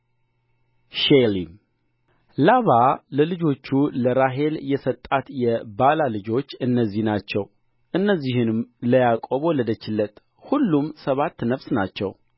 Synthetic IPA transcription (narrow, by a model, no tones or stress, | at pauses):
ʃelim | laβaləlɨd͡ʒo̞t͡ʃːuləɾaɦe̞ljɛsət̪ʼːat̪jɛbalalɨd͡ʒo̞t͡ʃːɨnːəzːihnat͡ʃːɛw | ʔɨnːəzːihɨnɨmləjakʼoβoləd̪ət͡ʃːɪlːət̪ | hulːumsəβat̪ːnəβsnat͡ʃːɛ̰w